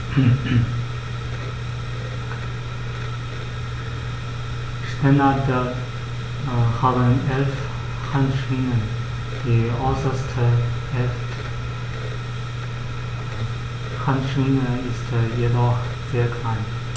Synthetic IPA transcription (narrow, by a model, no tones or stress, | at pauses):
ʃnɛnadə | haːbənʔɛlf | hʰanʃunən | d̥iːɔʏsɐstʰə | ʔɛlft | hʰanʃuːnəɪstjedɔx | z̥eːɐkʰlaɪn